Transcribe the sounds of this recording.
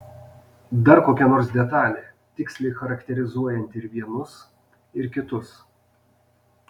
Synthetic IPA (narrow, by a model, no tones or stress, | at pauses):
d̪ɐɾkoːkʲɛnoːɾs̬d̪ʲɛt̪ɑːlʲeː | t̪ʲɪksʲlʲɛɪxɐɾɐkt̪ʲɛɾʲɪzuɔjɛnʲt̪ʲɪɾʋʲiɛnʊs | ɪɾkʲɪt̪ʊs